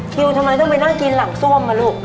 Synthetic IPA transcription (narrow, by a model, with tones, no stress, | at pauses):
kʰi˧wt̪ʰa˧mːa˧jt̪ɔ˥˩ŋpa˧jnaː˥˩ŋki˧nla˨˩p̚su˥˩əmːaː˧luː˥˩k̚